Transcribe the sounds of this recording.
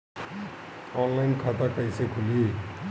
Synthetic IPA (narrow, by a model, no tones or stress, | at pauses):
ɔnlajnkʰʌt̪akʌjsekʰuli